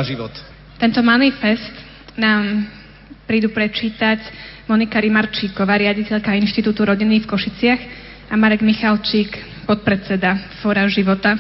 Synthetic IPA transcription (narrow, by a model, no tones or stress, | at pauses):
ʒiʋɔt̪ | t̪ɛnt̪ɔmanifɛst̪ | naːm | pɾiːd̪upɾɛt͡ʃiːt̪acmɔnikaɾimaɾt͡ʃiːkɔʋaːɾɪaɟicɛʎkainʃt̪it̪uːt̪uɾɔɟinːifkɔʃit͡sɪaɣ | amaɾɛɡmixalt͡ʃiːk | pɔt̪̚pɾɛt͡sɛd̪afɔːɾaʒiʋɔt̪a